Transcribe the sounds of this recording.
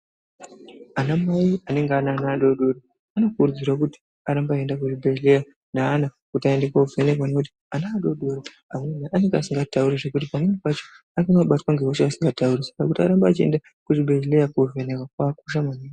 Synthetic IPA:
anamaiane̞ŋɡeananaːɗo̞ɗo̞ɾo | ano̞kurud͡zirwak̬uti̥ | aɾambaːe̞ndak̬uʐibʱeleja | naːna | kutaendekwauvenekwanouti̥ | anaːɗo̞ɗoɾo | amwenaʔane̞ŋɡeasiŋɡatauɾeʐe̞kutipanemepat͡ʃo | akamaɓatwaŋɡewoʃeasiŋɡataurisḁkakutiaɾambaːt͡ʃie̞̰nda | kuʐibʱelejakovenekwakwakuʃamanina

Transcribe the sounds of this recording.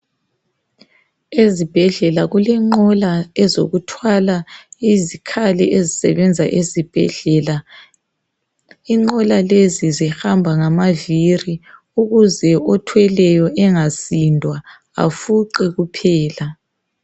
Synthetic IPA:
ezib̥ʱɛɮɛlaɣulɛŋ͡ǃɔlaɛzo̰ɣutʰwalaizikʰalɛʔezisɛ̰βɛnd͡zʱaʔezib̥ʱɛɮɛla | iŋ͡ǃɔlalezizixambʱaŋamaviri | uɣuzɛɔtʰwɛlɛjɔʔɛŋasindʱwa | a̰fuǃɛɣupʰɛːla

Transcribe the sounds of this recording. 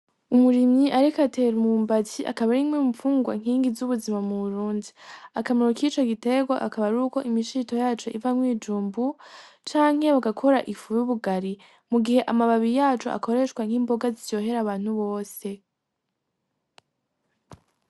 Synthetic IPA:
umuɾimɲiʔaɾikate̞ɾmuːmbaciʔa̰kaβaɾimweufuːŋɡwa̰ŋ̥hiːŋɡizuβuzimamuβuɾuːndiakamiɾokit͡ʃo̞ɡite̞ɡwa̰ʔakaβaɾuːko̞ʔimiʃito̞jaːt͡ʃo̞ʔivamwiːd͡ʒuːmbut͡ʃaːŋ̥he̞βaɡakʰo̞ɾaʔifujuβuɡaɾi | muɡihe̞ʔamaβaβijaːt͡ʃo̰a̰ko̞ɾe̞ʃkwaŋ̥hiːmbo̞ɡazijo̞ːɦe̞ɾaβaːn̥huβo̞ːse̞

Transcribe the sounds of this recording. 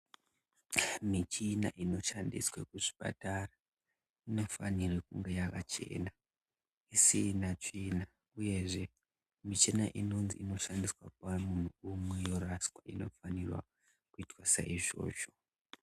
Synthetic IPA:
mit͡ʃina̰ʔino̞ʃandḭswakuʐi̥pa̰tara | ino̞fanirekuŋɡejakat͡ʃe̞̰ːna | isinat͡ʂina | uje̞ʐe̞ | mit͡ʃinaʔino̞nziino̞ʃandiswa̰p̚amun̤uumwe̞jo̞raskwaino̞̰fanirwa̰ | kuitwasa̰iʐo̞̰ːʃo̞̥

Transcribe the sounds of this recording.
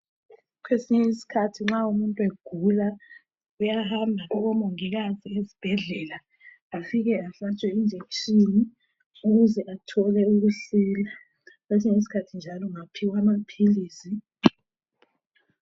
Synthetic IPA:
kʰwesiɲɛisi̥kʰatʰiŋ͡ǁaumuntʼuweɡ̥ʱula | ujahambʱauɣɔmoŋiɣaziezib̥ʱɛɮɛlaː | fiɣɛaɬat͡ʃʼɛind͡ʒʱekʃʼini | uɣuzɛʔatʰɔlɛuɣuɬiːla | kʰwes̬iɲɛis̬i̥kʰatʰind͡ʒʱalɔŋapʰiwamapʰiliːsi

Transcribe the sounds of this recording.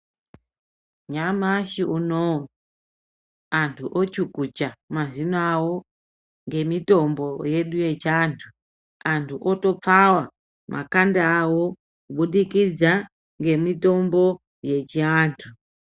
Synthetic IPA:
ɲamaʃiʔuno | antʰuʔot͡ʃukut͡ʃamazinawo | ŋɡe̞mitombojeɗujet͡ʃantʰu | antʰuʔotop͡fawa | mʔa̰kandaːwo | kuɓuɗikid͡za | ŋɡe̞mitombo | je̞t͡ʃiaːntʰu

